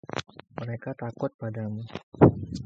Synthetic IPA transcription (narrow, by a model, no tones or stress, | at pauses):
məɾekat̪akʊt̪̚padamu